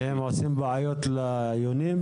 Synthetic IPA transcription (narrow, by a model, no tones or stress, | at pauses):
hemʕosimbeajot̪le | jonim